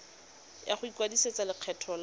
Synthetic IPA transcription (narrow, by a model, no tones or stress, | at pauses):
jaχʊikwadiset͡sʼalɪq͡χʰɛtʰɔl